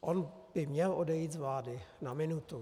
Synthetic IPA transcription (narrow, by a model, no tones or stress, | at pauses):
ʔon | b̥ɪmɲɛlʔodɛjiːt̪zvlaːdɪnamɪnut̪u